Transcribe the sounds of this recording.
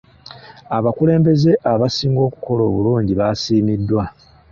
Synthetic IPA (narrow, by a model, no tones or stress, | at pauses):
aβakule̞ːmbe̞ze̞ʔaβasiːŋɡo̞ːku̥ko̞lo̞ːβuluːɲɟiβasiːmidːwa